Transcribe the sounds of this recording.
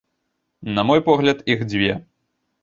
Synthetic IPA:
nɐmɔjpɔɣlʲɐt̪iɣd͡zʲvʲɛ

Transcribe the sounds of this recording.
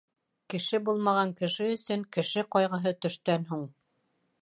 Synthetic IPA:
kɘ̆ʃɘbulˠmɑʁɑŋkɘ̆ʃɘɵ̆sɵŋkɘ̆ʃɘqɑjʁɤ̆ɦɤt̪ɵ̆ʃt̪ænɦuɴ

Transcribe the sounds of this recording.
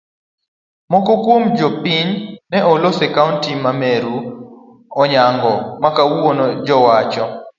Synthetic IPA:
mɔkɔkwomd͡ʒɔpiɲnɛɔlosɛkauntimameɾu | ɔɲaŋɡɔmakawonɔd͡ʒɔwat͡ʃɔ

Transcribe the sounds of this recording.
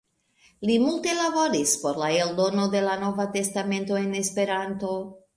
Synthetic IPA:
limulte̞labo̞ɾispo̞ɾlae̞ldo̞no̞d̪e̞lano̞vate̞stame̞nto̞e̞ne̞spe̞ɾanto̞

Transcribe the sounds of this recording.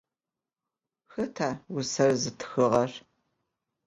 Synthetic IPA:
xɐtʰaːwʊsɐrzɨtʰxɨʁɐr

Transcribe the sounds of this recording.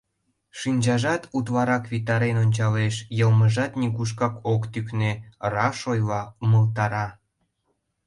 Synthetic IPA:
ʃinʲd͡ʑɑʒɑt̪ut̪̬βɑɾɑkβit̪ɑɾenonʲt͡ɕɑleʃjɤlməʒɑt̪nʲiɣuʃ̬kɑkokt̪yknerɑʃojlɑməlt̪ɑɾɑ

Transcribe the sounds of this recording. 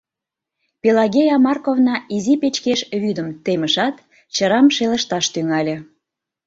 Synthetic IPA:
pʲelɑɣʲejɑmɑrkovnɑizipet͡ɕkeʃβyd̪əmt̪eməʃɑt̪ | t͡ɕəɾɑmʃelə̆ʃt̪ɑʃt̪yŋɑlʲĕ

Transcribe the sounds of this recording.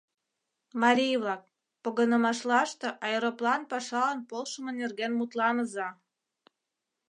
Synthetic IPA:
mɑɾʲijβlɑk̚ | poɣənə̆mɑʃlɑʃt̪ĕʔɑjɤɾoplɑnpɑʃɑlənpolʃə̆mə̆nerɣenmut̪lɑnəzɑ

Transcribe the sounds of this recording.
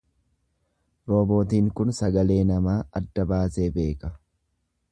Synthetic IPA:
ɾoːbo̞ːt̪iːŋkʊnsɐɡɐle̞ːnɐmaːɐd̪ːɐbaːse̞ːbe̞ːkɐ

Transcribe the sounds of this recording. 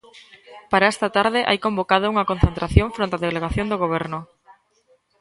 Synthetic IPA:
paɾaɛst̪ɐt̪aɾðɪʔa̰jkombokaðʊuŋɐkon̟θent̪ɾaθjõɱfɾõnt̪aðeleɣaθjond̪oɣ̞oβ̞ɛɾnʊ

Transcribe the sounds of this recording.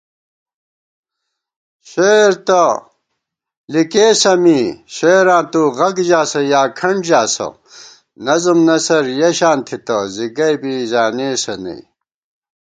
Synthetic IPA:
ɕeːɾt̪ɐ | likeːsɐmiːɕeːɾãːt̪uɣɐɡd͡ʑaːsɐjaːkʰɐɳɖd͡ʑaːsɐ̰ | nɐzumnɐsɐɾjeɕaːnt̪ʰit̪ɐziɡɐjbizaːneːsɐnḛ

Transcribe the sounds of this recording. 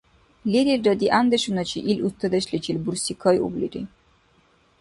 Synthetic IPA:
liɾildəd̪iʔand̪ɛʃunat͡ʃʰiʔilʲust̪ʰəd̪ɛʃlit͡ʃilʲbuɾsikʰɔjṵblḭɾḭ

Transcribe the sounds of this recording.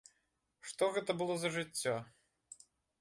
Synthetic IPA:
ʂt̪ɔɣɛt̪ɐbɨlˠɔzɐʐɨt͡sʲːɔ

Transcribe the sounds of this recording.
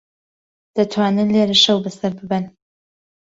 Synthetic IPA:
d̪̥ɐt̪ʰwaːnɨnleːɾɨʃɐwbɐsɐɾbɨbɨn

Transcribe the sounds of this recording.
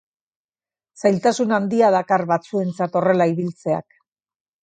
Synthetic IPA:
sajlt̪asunand̪iað̞akarβat͡sue̞nt͡sat̪o̞re̞laiβilt͡se̞a̰k

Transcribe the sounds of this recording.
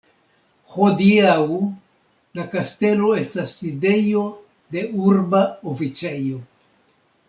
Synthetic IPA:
ho̞diaw | lakaste̞lo̞e̞stasːide̞jo̞ | de̞uɾbaofit͡sejo̞

